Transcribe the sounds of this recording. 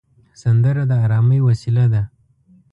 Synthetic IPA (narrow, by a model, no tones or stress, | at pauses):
sand̪əɾad̪əaɾɑməjwasilad̪a